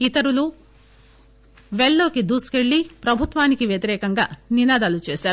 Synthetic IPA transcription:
it̪ɐɾulu | ʋeɭːo̞ːkid̪uːskeɭːipɾɐbʱut̪ʋaːnikiʋjɐt̪iɾɛːkɐŋɡaːninaːd̪aːlut͡ʃeːʃaːɾu

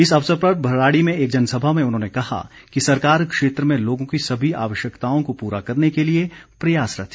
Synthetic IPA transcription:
ɪsɐʋsəɾpɾɐbʱɐɾɾaːɽimẽeːk̚d͡ʒɐnsɐbʱamẽʊnɦõːnekɐɦa̰ | kisɐɾkaːɾkʃeːt̪ɾəmẽloːɡõkisɐbʱia̰ːʋəʃjəkt̪aːõkopuːɾakɐɾnekeliepɾɐjaːsɾɐ̰t̪ʰ

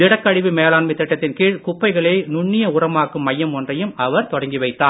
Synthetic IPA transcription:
ɪɽɐkːɐɻɪʋɯmeːlaːnmɪt̪ːɛʈːɐt̪ːɪnkiːɻkʊpːɐɪɣɐɭeːnʊɳːɪjɐʊrɐmaːkːɯmːɐjːɐmɔndrɐjɯmɐʋɐɾt̪ɔɽɐŋɡiʋɐɪt̪ːaː

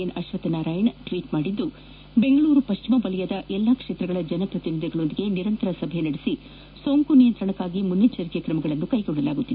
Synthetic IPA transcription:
enɐʃʋɐt̪ɐnaːɾaːjɐnʈʋiːʈmaːɽid̪ːu | be̞ŋɡɐɭuːɾupɐʃt͡ʃimɐbɐlɛjɐd̪ɐʔɛlːakʂeːt̪ɾɐɡɐɭɐd͡ʒɐnɐpɾɐt̪inid̪ʱjɐɡɐɭo̞nd̪iɡe̞niɾɐnt̪ɐɾɐsɐbʱjɐnɐɽisi | so̞ːŋkunijɐnt̪ɾɐɳɐkːaːɡimunːit͡ʃɐɾikejɐkɾɐmɐɡɐɭɐnːukɐjɡoɳːɖɐlaːɡut̪ːid̪e

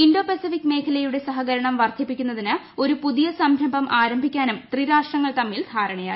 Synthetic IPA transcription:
indo̞ːpesifikːme̞ːkʰɐlɐjuɽe̞sɐɦɐɣɐɾɐɳɐmʋɐrd̪ʱipːikʲːunːɐðinɨ | o̞ɾupuðijɐsɐmɾɐmbʱɐmʔaːɾɐmbʱikʲːaːnumt̪riɾaːʂʈrɐŋːɐɭt̪ɐmːild̪ʱaːɾɐɳɐja̰ːi

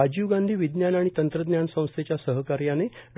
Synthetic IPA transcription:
ad͡ʑiʋɡãnd̪ʱiːʋid̪njanaɽ̃it̪ənt̪ɾəd̪njansə̃w̃st̪ʰet͡ɕjasəɦəkaɾjaneɖ

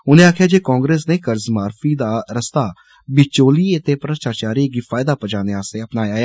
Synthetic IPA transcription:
ʊnẽːaːkʰjaːd͡ʒeːkɔ̃ːŋɡɾeːsneːkəɾzmaːɾfʰiːd̪aːɾəst̪aː | bɪt͡ʃoːliːət̪eːpɾəʃt͡ʃaːt͡ʃaːɾiːɡiːfʰaːɪd̪aːpət͡ʃaːneaːseːəpnaːjaːjaː

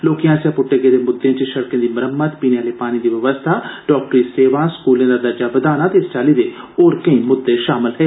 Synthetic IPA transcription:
loːkijãːsjãːpʊʈːeːɡẽːd̪eːmʊd̪ːẽːt͡ʃʃəɽkẽːd̪iːməɾəmːət̪piːneaːleːpaːñiːd̪iːʋəʋəst̪ʰaːɖɔːk̚ʈɾiːseːʋãːskuːlẽːd̪aːd̪əɾd͡ʒaːʋəd̪aːnaːt̪est͡ʃaːliːd̪eː | oːɾkəĩːmʊd̪ːeːʃaːmɪlɦɛeː

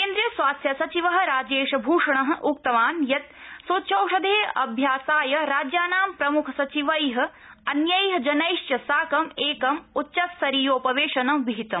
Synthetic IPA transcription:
keːnd̪ɾijɐsʋaːsjɐsɐt͡ʃiʋɐɦɐ̆ɾaːd͡ʒeːʃɐbʱuːʂɐɳɐɦɐ̆ʔuk̚t̪ɐʋaːnjɐt̪̚soːt̪ʃʰɐwʂɐd̪ʱeːɐ̰bʱjaːsaːjɐɾaːd͡ʒjaːnaːmpɾɐmukʰɐsɐt͡ʃiʋɐjɦɐ̆ | ɐnjɐjɦɐ̆d͡ʒɐnɐjʂt͡ʃjɐsaːkɐmeːkɐmutːʃɐt̪sɐɾiːjoːpɐʋeːʂɐnɐmʋiɦit̪ɐm

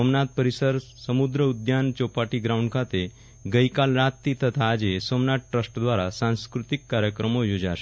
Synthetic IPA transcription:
omnat̪̚pəɾisəɾsəmud̪ɾəud̪jant͡ɕopaʈiɡɾauɳɖkʰat̪e | ɡəjkalɾat̪ːit̪ət̪ʰaːd͡ʑesomnat̪̚ʈɾəsʈd̪ʋaɾasãw̃skɾut̪ikːaɾjəkɾəmojud͡zaʃe

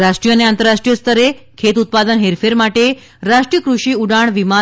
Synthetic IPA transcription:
ɾaʂʈɾijəneant̪əɾaʂʈɾijəst̪ʰəɾekʰet̪ut̪̚pad̪ənɦeɾfeɾmaʈe | ɾaʂʈɾijəkɾuʂiːuɽaɳʋima

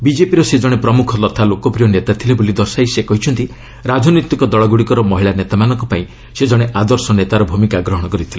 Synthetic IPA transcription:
bid͡ʒepiɾɔsed͡ʒɔɽ̃epɾɔmukʰɔlɔt̪ʰalokɔpɾijɔnet̪at̪ʰilebolid̪ɔɾsajsekɔɦit͡ʃʰɔnt̪i | ɾad͡ʒʱɔnɔt̪ikɔd̪ɔɭɔɡuɽikɔɾɔmɔɦiɭanet̪amanɔŋkɔpaĩ | sed͡ʒɔɽ̃eʔad̪ɔɾsɔnet̪aɾɔbʱumikaɡɾɔɦɔɽ̃ɔkɔɾit̪ʰile

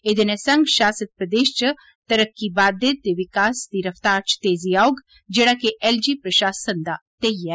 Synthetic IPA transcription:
ed̪enesɐ̃ŋɡʃaːsət̪̚pɾəd̪eːʃt͡ʃə | t̪əɾəkːibaːd̪et̪̚d̪eʋɪkaːsd̪iɾɐft̪aːɾt͡ʃt̪eːziaːoɡ | d͡ʒeːɽakeʔɛld͡ʒipɾəʃaːsənd̪at̪eiɛː

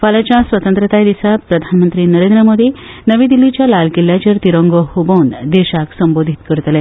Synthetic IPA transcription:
falat͡ɕasʋət̪ənt̪ɾət̪ajd̪isapɾəd̪ʱanmənt̪ɾiːnəɾẽnd̪ɾəmod̪inəʋĩːd̪ilːit͡ɕjalalkiljat͡ɕəɾt̪iɾəŋɡəhubond̪eɕaksəmbod̪ʱit̪kəɾt̪lɛ̃

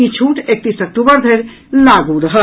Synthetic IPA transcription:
it͡ʃʰuːʈek̚t̪iːsɐk̚ʈuːbəɾd̪ʱeɾ | laːɡuɾəɦə

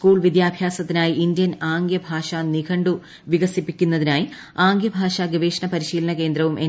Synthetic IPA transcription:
skuːɭʋid̪jaːbʱjaːsɐt̪ːinaːjiʔind̪jɐnaːŋɡjɐbʱaːʂɐnikʰɐɳɖu | ʋiɣɐsipːikʲːunːɐðinaːji | aːŋɡjɐbʱaːʂɐɡɐʋeːʂɐɳɐpɐɾiɕiːlɐnɐke̞ːnd̪ɾɐʋumʔe

